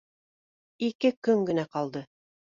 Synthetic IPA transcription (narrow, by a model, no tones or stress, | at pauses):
ikɘkɵŋɡɘ̆næqɑlˠd̪ɤ